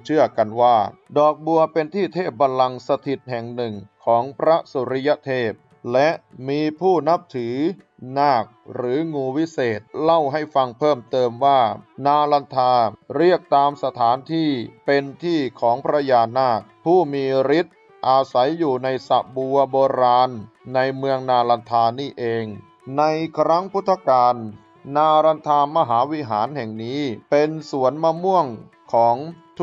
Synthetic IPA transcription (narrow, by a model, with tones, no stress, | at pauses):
t͡ɕʰɯ˥˩ɐka˧nwaː˥˩ | dɔː˨˩k̚bu˧ɐpe˧nt̪ʰiː˥˩t̪ʰeː˥˩p̚ba˧nla˧ŋsa˧t̪ʰi˨˩t̪̚hɛ˨˩ŋnɯ˨˩ŋkʰɔː˩˦ŋpʰɾa˦˥su˨˦ɾi˦˥ja˦˥t̪ʰeː˥˩p̚ | lɛ˦˥ʔmiː˧pʰuː˥˩na˦˥p̚t̪ʰɯː˩˦ | naː˥˩k̚ɾɯː˩˦ŋuː˧wi˦˥seː˨˩t̪̚la˥˩wɦa˥˩jfa˧ŋpʰɤː˥˩mt̪ɤː˧mwaː˥˩naː˧la˧nt̪ʰaː˧ɾi˥˩ək̚t̪aː˧msa˧t̪ʰaː˩˦nt̪ʰiː˥˩pe˧nt̪ʰiː˥˩kʰɔː˩˦ŋpʰɾa˧jaː˧naː˥˩k̚pʰuː˥˩miː˧ɾi˦˥t̪̚ | ʔaː˧sa˩˦jːuː˨˩na˧jsa̰˨˩ʔbu˧ɐboː˧ɾaː˧nː | a˧jmɯ˧əŋnaː˧la˧nt̪ʰaː˧niː˥˩ʔeː˧ŋ | na˧jkʰɾa˦˥ŋpʰu˦˥t̪ʰːa˧kaː˧nː | aː˧ɾa˧nt̪ʰaː˧ma˧ɦaː˩˦wi˦˥ɦaː˩˦nɦɛ˨˩ŋniː˦˥pe˧nsu˩˦ənma˧mu˥˩əŋ | kʰɔː˩˦ŋt̪ʰ